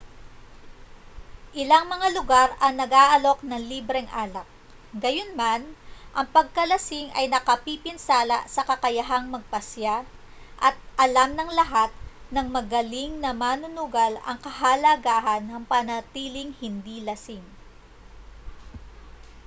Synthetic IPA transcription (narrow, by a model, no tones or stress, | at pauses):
ʔɪlaŋmɐŋalʊɡaɾɐŋnɐɡʔaːʔɐlo̞k̚nɐŋliːbɾɛŋʔaːlɐk̚ | ɡɐjo̞nmanʔɐŋpɐɡ̚kɐlɐsɪŋɐ̰jnɐkɐpipɪnsaːlɐ̰ʔsɐkɐkɐjɐɦaŋmɐɡ̚pɐsjaʔɐt̪̚ʔɐlamnɐŋlɐɦat̪̚nɐŋmɐɡɐlɪŋnɐmaːnʊnuɡɐlɐ̰ŋkɐɦalɐɡaːhɐnːɐŋpɐnɐt̪iːlɪŋhɪnd̪ilɐsɪŋ